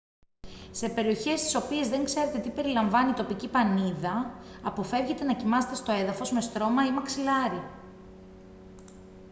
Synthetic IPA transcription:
se̞pe̞ɾio̞çe̞st̪i̥so̞pie̞zðe̞ŋkse̞ɾe̞t̪e̞t̪ipe̞ɾilɐɱvɐnit̪o̞picipɐniðɐːpo̞fe̞vʝe̞t̪e̞nɐcimɐze̞t̪e̞st̪o̞e̞ðɐfo̞zme̞st̪ɾo̞mɐimɐksilɐɾi

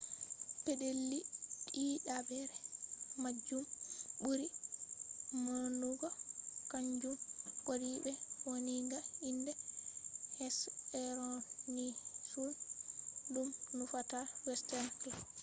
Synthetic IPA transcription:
pedelːiɗiɗabɛɾɛmad͡ʒumbuɾi | mɔnuɡɔkaɲd͡ʒumkoɾiɓɛwoniŋɡaindɛ | hɛsɛɾɔnisun | dumnufatawɛstɛnkla

